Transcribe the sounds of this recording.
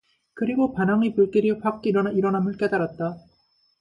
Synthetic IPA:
kɯɾiɡopanaŋipuɭk͈iɾiɸak̚k͈iɾʌnaiɾʌnamɯɭk͈e̞daɾat̚t͈a

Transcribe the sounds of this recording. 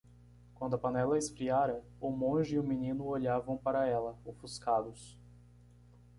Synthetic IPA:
kwɐ̃nd̪ʊɐpɐnɛlɐɪsfɾiaɾɐ | ʊmõʒɪiʊmĩnĩnʊoʎavɐ̃w̃paɾɐɛlɐufuskad̪ʊs

